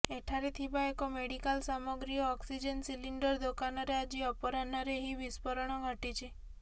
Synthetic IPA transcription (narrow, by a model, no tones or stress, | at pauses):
eʈʰaɾet̪ʰibaekomeɽikalsamɔɡɾijɔɔksid͡ʒənsiliɳɖəɾd̪okanɔɾead͡ʒiɔpɔɾanaɾeɦiʋispəɾɔɳ̃ɔɡʱəʈit͡ʃʰe